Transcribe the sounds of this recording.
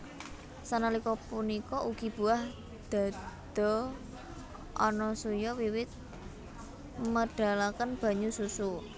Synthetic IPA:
sanalikɔpunikɔʔuɡ̥i̤b̥ṳah | d̪̥a̤d̪̥ɔ̤ | ʔɔnɔsujɔwiwɪt̪̚ | məɖ̥a̤lakənb̥ä̤ɲususu

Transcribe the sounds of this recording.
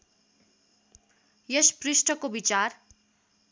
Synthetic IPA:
jesprisʈʌkobit͡sar

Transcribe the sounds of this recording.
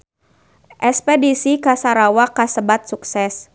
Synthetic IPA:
ʔɛspɛdisikasaɾawakasəbat̪̚suksɛs

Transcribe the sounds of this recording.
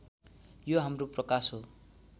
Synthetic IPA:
joɦamroprʌkasɦo

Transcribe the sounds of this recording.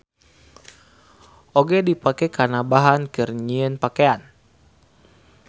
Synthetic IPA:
ʔoɡɛdipakɛkanabaɦankɨrɲiənpakean

